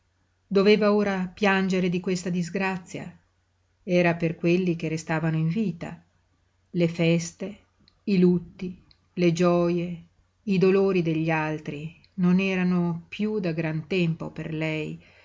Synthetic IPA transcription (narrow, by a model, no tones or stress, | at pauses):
d̪oveːvaoːɾapjand͡ʒeɾed̪ikwest̪ad̪izɡɾat̪sːja̰ | ɛːɾaperkwelːik̟erest̪aːvanoiɱviːt̪a̰ | lefɛst̪e | ilut̪ːi | led͡ʒɔːje | id̪oloːɾid̪eʎːialt̪ɾi | nonɛːɾanopjud̪aɡɾant̪ɛmpo̰pḛrlɛj